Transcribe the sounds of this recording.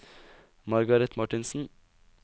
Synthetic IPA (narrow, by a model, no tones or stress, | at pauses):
mɑɾɡɑɾɛt̪mɑʈɪnsn̩